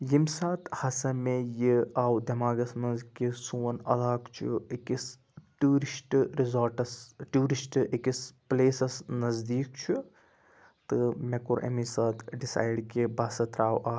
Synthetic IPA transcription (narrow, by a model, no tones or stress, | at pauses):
jimsaːt̪ʰhɐsɐmejiaːwd̪ɐmaːɡɐsmɐnzkisuːɐnɐ̰d̪aːkt͡ʃʰṵekis | ʈuːɾisʈɾizɐɾʈɐsʈuːɾisʈekispleːsɐsnɐzd̪iːkt͡ʃʰu | t̪ɨmekuɾʔɐ̰misaːt̪ʰɖisa̰ːjɖkebɐːsɐt̪ɾaːwʔaː